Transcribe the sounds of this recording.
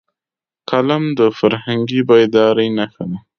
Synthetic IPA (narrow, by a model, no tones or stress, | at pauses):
kalamd̪əfaɾhaŋɡibaɪd̪ɑɾəjnaxana